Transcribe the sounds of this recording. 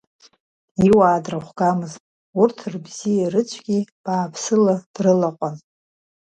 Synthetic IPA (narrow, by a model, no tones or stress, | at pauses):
iwaːdraχʷɡamɨztʼ | urtʰrbz̥ijarɨt͡ɕʷʰɡʲib̥aːpʰsɨlad̥rɨlaqʷʼan